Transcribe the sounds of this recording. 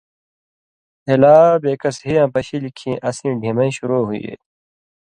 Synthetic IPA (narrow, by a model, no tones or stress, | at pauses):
helaːbeːkɐsɦijãːpɐɕilikʰĩːʔɐsĩːɖʱiːmɐĩɕuɾoːɦuiḛ